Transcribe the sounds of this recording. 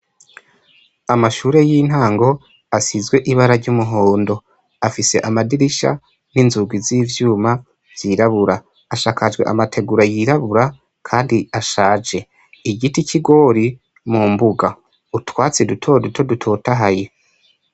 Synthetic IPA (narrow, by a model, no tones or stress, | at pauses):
amaʃuːɾe̞jin̥haːŋɡo̞ | asizɡwe̞ʔiβaɾaɾɟumuɦo̞ːndo̞ | afise̞̰ʔamadiɾiʃa̰ | ninzuɡwiziːvjuːma | vjiɾaβuɾa | aʃaːkad͡ʒɡwe̞̰ʔa̰matʰe̞ɡuɾajiɾaβuɾa | kʰaːndiaʃaːd͡ʒe̞ | iɟiticiɡo̞ɾi | mumbuɡa | utwaːt͡sedutʰodutʰodutʰo̞ːtaɦaje